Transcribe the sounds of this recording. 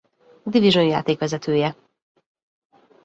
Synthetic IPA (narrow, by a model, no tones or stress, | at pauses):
d̪iviʒonja̰ːt̪eːkʋɛzɛt̪ʰøːjɛ